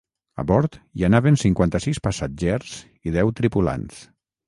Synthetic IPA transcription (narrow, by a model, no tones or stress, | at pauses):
a̰βɔɾt̪ianaβensiŋkwant̪əsispasad͡ʒɛɾz̥ | iðɛwt̪ɾipula̰ns